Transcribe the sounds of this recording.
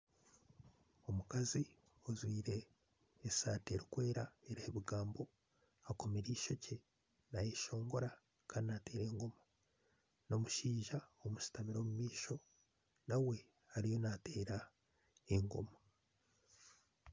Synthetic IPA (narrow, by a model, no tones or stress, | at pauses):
o̞mukazi | ozwiːɾe̞ː | saːteɾikwe̞ːɾaeɾeheβiɡaːmbo̞ | ako̞meɾiːʃo̞ce̞ | najeʃo̞ːŋɡo̞ɾa | kaːninate̞ːɾe̞ŋɡo̞ma | no̞muʃiːʒaomusi̥tamiɾo̞ːmumiːʃo̞ | nawe̞ | aɾijo̞nate̞ːɾa | eŋɡo̞̰ma